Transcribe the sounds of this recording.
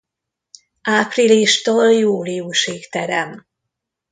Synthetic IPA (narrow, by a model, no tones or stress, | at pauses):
ʔaːpriliʃt̪oːljuːlijuʃiːkt̪ɛɾɛm